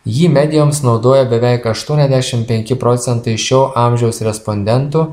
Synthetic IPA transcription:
jiːmʲɛd̪ʲɪjoːmsnɒʊd̪oːjɛbʲɛʋʲɛɪkɐʃt̪uɔnʲɛzʲd̪ʲæʃʲɪmpʲɛŋʲkʲɪpɾoːt̪sʲɛnt̪ɐɪʃʲɛʊʔɑːmʲʒʲɛʊsɾʲɛspɔnʲd̪ʲɛnt̪uː

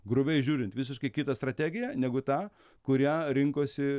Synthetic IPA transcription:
ɡɾʊbʲɛɪʒʲuːɾʲɪnt̪ʋʲɪs̬ʲɪʃkɐɪkʲɪt̪ɐst̪ɾɐt̪ʲæːɡʲɪjæːnʲɛɡʊt̪ɑː | kʊɾʲæːɾʲɪŋkoːsʲɪ

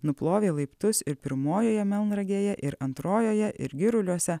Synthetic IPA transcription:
nʊplˠoːʋʲeːlˠɐɪpt̪ʊsɪɾpʲɪɾmoːjoːjɛmʲɛlˠnɾɐɡʲeːjɛʔɪɾɐnt̪ɾoːjoːjɛʔɪ̰ɾɡʲɪɾʊlʲuɔsʲɛ

